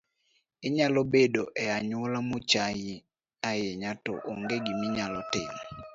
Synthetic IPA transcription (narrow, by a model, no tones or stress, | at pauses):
ɪɲalobedoʔɛaɲolamot͡ʃaji | ajeɲato̰ʔoŋɡeɡimiɲalɔtɪ̰mɔ